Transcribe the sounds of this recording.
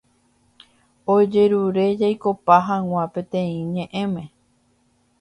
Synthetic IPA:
od͡ʒe̞ɾuɾe̞d͡ʒajko̞paɦãw̃ãpẽ̞t̪ẽ̞ĩɲẽ̞ʔẽ̞mẽ̞

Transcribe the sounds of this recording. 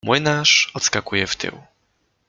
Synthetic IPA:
mwɘnaʂɔt̪skakujɛft̪ʰɘ̰w

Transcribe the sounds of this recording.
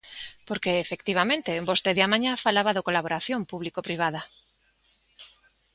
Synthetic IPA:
poɾkeːfek̚t̪iβ̞amẽnt̪ebost̪eðeamãɲafalaβaðokolaβoɾaθjompuβ̞likopɾiβ̞aða

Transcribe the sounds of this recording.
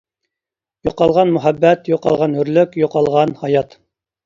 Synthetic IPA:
joqɑlˠʁɑnmʊɦæbːɛt̪joqɑ̰lˠʁɑnɵɾlykʲjoqɑlˠʁɑnhɑjɑt̪

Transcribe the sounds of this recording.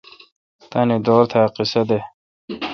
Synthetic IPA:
t̪ɐned̪oːɾt̪ʰaqisɐd̪e

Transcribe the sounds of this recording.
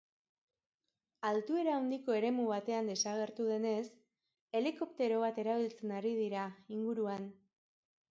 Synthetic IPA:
alt̪ue̞ɾaund̪iko̞e̞ɾe̞muβ̞at̪e̞and̪e̞saɣe̞ɾt̪uð̞e̞ne̞s | e̞liko̞pt̪e̞ɾo̞β̞at̪e̞ɾaβ̞ilt͡se̞naɾið̞iɾaiŋɡuɾuan

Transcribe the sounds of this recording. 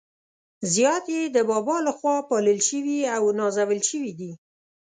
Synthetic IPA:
zjɑt̪jed̪əbɑbɑlaxwɑpɑləlʃəwiawnɑzawəlʃəwid̪i

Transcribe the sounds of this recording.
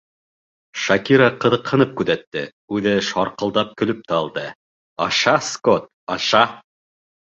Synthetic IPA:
ʃɑkiɾɑqɤ̆ðɤ̆qhɤ̆nɤp̚kʉðæt̪ːɘ̰ | ʉðɘʃɑɾqɤ̆lˠd̪ɑp̚kɵ̆lɵp̚t̪æɑlˠd̪ɤ | ɑʃɑskot̪̚ | ɑʃɑ

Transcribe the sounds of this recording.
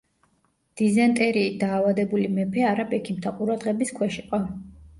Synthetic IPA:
d̪̥izɛnt̪ʼɛɾiːd̪aːvad̪ɛbulimɛpʰɛaɾabɛkʰimt̪ʰaqʼuɾad̪ʁɛbiskʰwɛʃiqʼɔ

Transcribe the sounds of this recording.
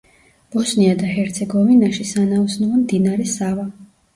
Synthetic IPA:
b̥ɔsniad̪ahɛɾt̪sʰɛɡɔvinaʃisanausnuvamd̪inaɾɛsava

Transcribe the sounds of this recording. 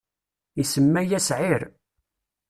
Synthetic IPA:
isəmːæjæsʕiɾ

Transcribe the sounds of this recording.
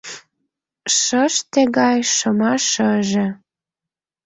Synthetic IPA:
ʃəʃt̪ĕɣɑjʃəmɑʃəʒĕ

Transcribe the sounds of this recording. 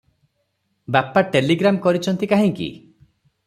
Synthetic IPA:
bapaʈeliɡɾamkɔɾit͡ʃʰɔnt̪ikaɦĩŋkḭ

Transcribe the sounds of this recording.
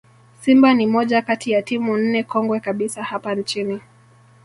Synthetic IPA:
simbanimɔʄakatijatimun̩nɛkɔŋɡwɛkaɓisahapant͡ʃini

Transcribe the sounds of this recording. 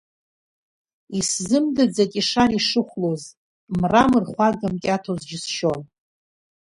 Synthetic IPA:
iszɨmdɨd͡zakʼiʂariʂɨχʷloz | mramɨrχʷaɡamkʲʼatʰozd͡ʒɪsʃo̞n

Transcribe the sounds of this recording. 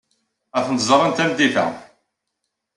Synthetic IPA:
æθənt̪zˤəɾˤənt̪æmd̪iθæ̰

